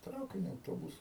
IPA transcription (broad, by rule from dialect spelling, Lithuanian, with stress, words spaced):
ˈtrɐʊkʲɪnʲʊ ɐʊˈtoːbʊsʊ